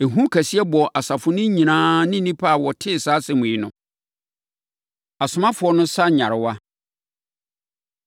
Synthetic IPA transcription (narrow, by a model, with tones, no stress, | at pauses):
e˨ɦũ˦kʰæ˨si˦ɛ˦bɔ˨ʔa˨sa˨fʊ˦nʊ̃˦ɲĩ˨nãː˦nɪ̃˦nĩ˦pʰa˦a˨wɔ˨tʰɪ˦˨saː˦sɛ˨mʊ̃˨i˦nʊ̃˨ | a˨sʊ˨mã˦fʊ˨˦ɔ˦nʊ̃˦sa˦ɲã˨ɾɪ˨wa˦